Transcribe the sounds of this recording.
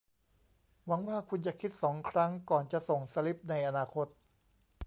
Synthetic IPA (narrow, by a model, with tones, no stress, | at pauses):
wa˩˦ŋwaː˥˩kʰu˧nt͡ɕa˨˩kʰi˦˥t̪̚sɔː˩˦ŋkʰɾa˦˥ŋkɔː˨˩nt͡ɕa˨˩so˨˩ŋsa˧li˦˥p̚na˧jʔa˧naː˧kʰo˦˥t̪̚